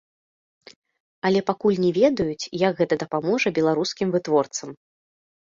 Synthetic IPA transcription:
ɐlʲɛpakulʲnʲɛvʲɛd̪ɐjut͡sʲjɐɡɣɛt̪ɐd̪ɐpamɔʐɐbʲɛlˠaɾuskʲimvɨt̪vɔrt̪sɐm

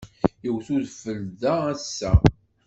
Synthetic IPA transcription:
əwθuðfəlðææsːæ

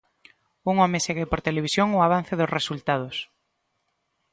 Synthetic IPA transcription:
uŋɔmeseɣepoɾt̪eleβisjoŋʊaβ̞an̟θɪðʊsresult̪að̞ʊs

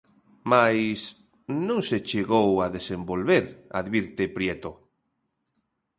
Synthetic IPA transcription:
majs | nũŋset͡ʃeɣowaðesembolβeɾa̰ðβiɾt̪epɾjet̪o

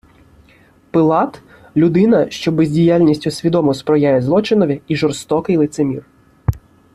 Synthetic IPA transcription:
pɪlˠɑt̪ | lʲʊd̪ɪnɐʃt͡ʃɔbezʲdʲijalʲnʲisʲtʲʊsʲʋʲid̪ɔmɔspɾɔjajɛzlˠɔt͡ʃɪnɔʋʲiiʒɔrst̪ɔkɪjlˠɪt̪semʲir

